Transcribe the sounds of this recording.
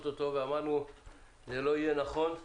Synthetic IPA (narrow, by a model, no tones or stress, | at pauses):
t̪ot̪o̞veamaʁnu | zelo̞ijenaχo̞n